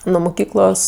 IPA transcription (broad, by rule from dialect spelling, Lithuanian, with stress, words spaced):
nʊ mʊˈkʲiːklˠoːs